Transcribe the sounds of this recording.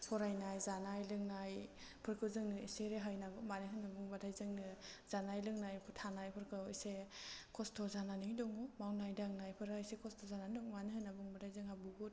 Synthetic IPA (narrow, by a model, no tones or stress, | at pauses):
pʰɔɾajnajzanajlɯŋnajpʰɯɾkʰɯwzɯŋnɯiseɾeɦajnaɡɯmanɯɦɯnːabuŋbadʰajzɯŋnɯzanajlɯŋnajpʰɯtʰanajpʰɯɾkʰɯwḭsekʰɔstʰɔzananɯŋdɔŋumawnajdaŋnajpʰɯɾaisekʰɔstʰɔzananɔŋmaniɦhɯnabuŋbadʰajzɯŋabuɡut̚